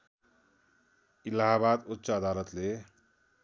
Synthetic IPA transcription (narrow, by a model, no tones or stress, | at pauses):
ilaɦabad̪ut̪ːsaːd̪alʌt̪le